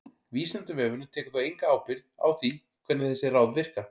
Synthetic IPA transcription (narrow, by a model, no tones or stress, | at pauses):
viːsant̪ʏvɛːvʏnʏt̪ʰɛːkʏθawejŋkaaːwpɪɾða̰wθi | kʰvɛt̪nɪθɛsːɪraːwðvɪr̥ka